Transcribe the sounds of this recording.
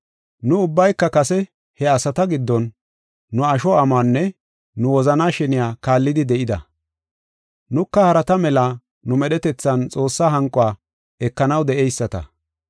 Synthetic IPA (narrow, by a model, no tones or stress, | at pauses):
nʊʊbːɐjkːɐkɐsɛ | hɛɐsɐt̪ɐɡɪd̪ːɔnː | ʊɐʃɔɐmaːnːɛ | nʊwɔzɐnaːʃɛnɪjaːkaːlːɪd̪ɪd̪ɛʔɪd̪ɐ | nʊkːɐhɐɾɐt̪ɐmɛlɐ | nʊmɛɗɛt̪ɛt͡sːɐnt͡sʼo̞ːsːaːɦɐŋkʼʊwaː | ɛkːɐnɐwd̪ɛʔɛjsːɐt̪ɐ̰